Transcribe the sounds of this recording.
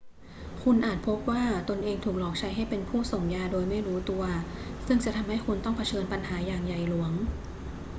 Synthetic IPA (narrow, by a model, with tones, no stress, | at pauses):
kʰu˧nʔaː˨˩t̪̚pʰo˦˥p̚waː˥˩t̪o˧nʔeː˧ŋt̪ʰuː˨˩k̚lɔː˨˩k̚t͡ɕʰa˦˥jɦa˥˩jpe˧npʰuː˥˩so˨˩ŋjaː˧doː˧jma˥˩jɾuː˦˥t̪u˧ɐsɯ˥˩ŋt͡ɕa˨˩t̪ʰa˧mha˥˩jku˧nt̪ɔ˥˩ŋpʰa˧t͡ɕʰɤː˧npa˧nɦaː˩˦jaː˨˩ŋja˨˩jlu˩˦əŋ